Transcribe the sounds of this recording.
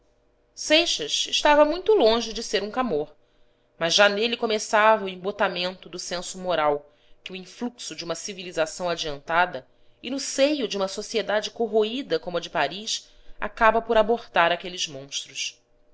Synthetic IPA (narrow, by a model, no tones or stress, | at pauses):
sejʃɐʃɪʃt̪avɐmũj̃t̪ʊlõʒɪd͡ʒɪseɾũkamoɾ | mɐzʒanelikomesavɐʊẽmbot̪amẽnt̪ʊd̪ʊsẽsʊmoɾaw | kɪʊĩfluksʊd͡ʒɪũmɐsivilizasɐ̃w̃ad͡ʒiɐ̃nt̪ad̪ɐ | ɪnʊsejʊd͡ʒɪũmɐsosied̪ad͡ʒɪkoɦoid̪ɐkõmʊɐd͡ʒɪpaɾiʃa̰kabɐpoɾaboɾt̪aɾakelɪzmõʃt̪ɾʊʃ